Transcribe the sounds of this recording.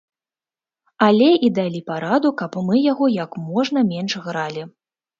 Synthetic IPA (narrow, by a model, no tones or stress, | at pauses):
alʲɛʔid̪alʲipaɾad̪ukɐpmɨjaɣɔjɐkmɔʐnɐmʲɛnʂɣɾalʲi